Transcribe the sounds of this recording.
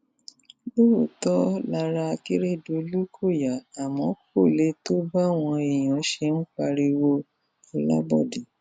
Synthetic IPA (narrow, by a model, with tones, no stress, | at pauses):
bo˦o˨tɔ˦la˧ɾa˧ki˦ɾe˦˨do˧˨˦lu˦kʰo˦˨ja˨a˨mɔ̃˨˦ko˦˨le˦to˦ba˦˨w̃ɔ̃˧e˨j̃ɔ̃˨˦ʃe˧˦n̩˦k͡pa˧ɾi˧wo˧ | ɔ˨la̰˦bɔ̰˦˨de˨